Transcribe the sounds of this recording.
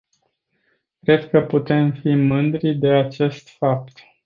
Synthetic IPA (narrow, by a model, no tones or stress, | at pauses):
kɾe̞d̪kəput̪e̞mfimɨnd̪ɾid̪e̞at͡ʃe̞st̪fap̚t̪